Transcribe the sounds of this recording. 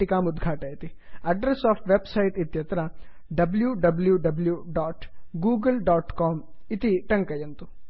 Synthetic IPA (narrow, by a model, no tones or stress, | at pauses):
ikaːmud̪ɡʱaːʈɐjit̪i | ɐɖɾesaːpʰʋebsɐjʈit̪jɐt̪ɾɐ | ɖɐbljuɖɐbljuɖɐbljuɖaːʈɡuːɡɐlɖaːʈkaːm | it̪iʈɐŋkɐjɐnt̪u